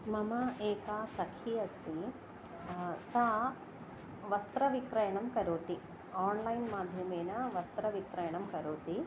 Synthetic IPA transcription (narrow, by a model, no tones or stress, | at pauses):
mɐmɐʔeːkaːsɐkʰijɐst̪i | saː | ʋɐst̪ɾɐʋikɾɐjɐɳɐmkɐɾoːt̪i | aːnlɐjnmaːd̪ʱjɐmeːnɐʋɐst̪ɾɐʋikɾɐjɐɳɐmkɐɾoːt̪i